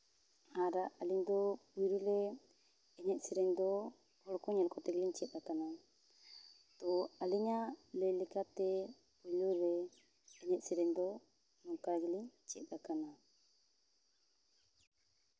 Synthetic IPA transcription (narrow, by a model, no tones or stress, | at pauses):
aɾaʔaliŋd̪ɔbujɾilɛ | ɛɲɛt̪̚sɛɾɛŋd̪ɔ | ɔlkɔɲɛlkɔt̪ɛɡɛliɲt͡ʃiɛt̪̚ɾakana | t̪ɔaliɲalɛjlɛkat̪ɛ | ujluɾɛ | ɛɲɛt̪̚sɛɾɛŋd̪ɔ | nɔŋkaɾɡɛliɲt͡ʃiɛt̪ɾakana